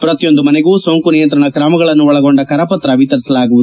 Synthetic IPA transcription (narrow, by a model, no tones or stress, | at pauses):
pɾɐt̪ijo̞nd̪umɐneɡuːsoŋkunijɐnt̪ɾɐɳɐkɾɐmɐɡɐɭɐnːuɔɭɐɡo̞ɳɖɐkɐɾɐpɐt̪ɾɐʋit̪ɐɾisɐlaːɡuʋud̪u